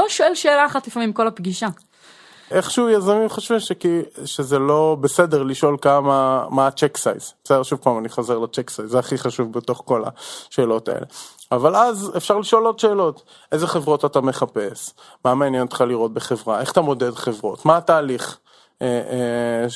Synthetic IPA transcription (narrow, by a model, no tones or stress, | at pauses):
loʃoelʃeːlaːχatlifamimko̞lapɡiʃa | ʔeχʃujazamimχoʃvimʃekiʃezelo̞besedeʁliʃo̞lkamamaːt͡ʃeksa̰jzesedeʃuvpaːmaniχozeʁlat͡ʃeksajzːeaχiχaʃuvbeto̞χko̞la̰ʃe̞ːlo̞ta̰ḛleavalazefʃaʁliʃo̞lod̪ʃeːlo̞t | ʔe̞zeχe̞vʁo̞tatame̞χape̞s | maːmaːnjent̪χaliʁo̞t̪̚beχe̞vʁae̞χḁt̪amo̞dedχe̞vʁo̞tmaːtaːliχ | e